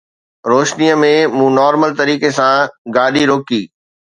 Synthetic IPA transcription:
ɾoːʃnijəmẽmũːnɔːɾməlt̪ɐɾiːkesãɡaːɗiɾoːkiː

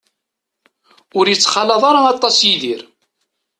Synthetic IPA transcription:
ʊɾjət͡sːχɑlɑðˤɑɾɑɑt̪ˤːɑsjiðiɾ

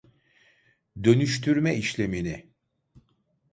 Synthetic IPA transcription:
d̪ø̞nyʃt̪ʰyɾmɛiʃlʲe̞minɪ

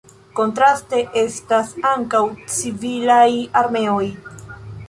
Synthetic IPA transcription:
ko̞ntɾaste̞ʔe̞stasaŋkawt͡sivilajaɾme̞o̞j

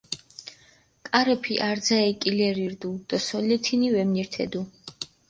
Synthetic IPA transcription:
kʼaɾɛpʰiʔaɾd̪zaɛkʼilɛɾiɾd̪ud̪̥asɔlɛt̪ʰinivɛmniɾt̪ʰɛ̰d̪u

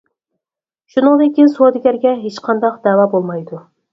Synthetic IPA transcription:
ʃunɨŋd̪ɪkʲinsod̪ɪɡʲæɾɡʲɛɦet͡ʃqʰɑnd̪ɑqd̪ɛːwɑːbolˠmɑjd̪u

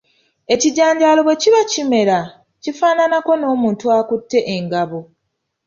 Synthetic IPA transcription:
e̞ciɟaːɲɟaːlo̞βwe̞ciβacime̞ɾa | cifaːnanako̞no̞ːmuːntuaːkutːe̞ʔeŋɡaβo

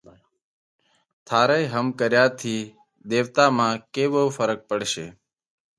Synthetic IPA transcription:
t̪ʰaːɾəɦəmkəɾjaːt̪ʰiː | d̪eːʋt̪aːmãːkeːbəːfəɾək̚pəɽʃḛː

